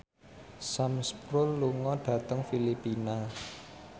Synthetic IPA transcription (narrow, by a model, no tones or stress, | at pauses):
samspɾʊlːuŋɔɖ̥ä̤t̪əŋfilipina